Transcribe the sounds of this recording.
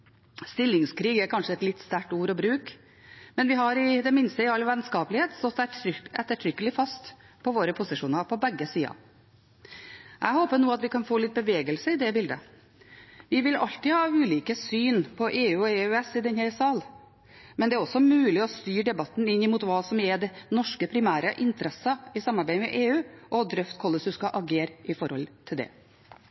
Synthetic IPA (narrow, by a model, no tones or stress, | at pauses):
st̪ɪlːɪŋskʰɾiːɡæɾkʰɑnʂəɛt̪lɪt̪ːst̪æʈuːɾɔbɾʉːk | mɛnʋɪɦɑɾɪd̪ɛmɪnst̪əɪɑlːʋæd̪nskɑːpəlɪheːt̪st̪ɔt̪ːɛʏɛt̪ːəʈʰɾʏkːəlɪfɑst̪ | pʰɔʋoːɾəpʰʊsɪʂuːnɑɾpʰɔbɛɡːəsiːɑ̰ | ʔæhoːpəɾnuːɑt̪ʋɪkʰɑnfoːlɪt̪̚bəʋeːɡəlsəɪd̪ɛbɪld̪ə̰ | ʋɪʋɪlɑ̰lt̪ɪhɑːʉːliːkəsyːnpʰɔʔeːʉːɔeːʉɛsɪd̪ɛnhɛɾsɑːl | mɛnd̪ɛæɾɔsːɔmʉːlɪɔst̪yːɖɛbɑt̪ːn̩ɪnːɪmuːt̪ʋɑːsɔmjɛɖɛnɔʂkəpʰɾɪmæːɾəʔɪnt̪əɾɛsːəɪsɑmɑɾbæɪmɛʔeːʉːʔɔd̪ɾœft̪kʰɔləsʉskɑʔɑɡeːɾʔɪfɔɾhɔ̰lt̪ʰɪld̪ɛ̰